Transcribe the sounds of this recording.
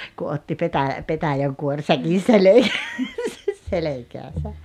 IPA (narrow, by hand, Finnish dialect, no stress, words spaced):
ku otːi petæ petæjæŋkuorsækin̞ selekæːsæs selekæːsæ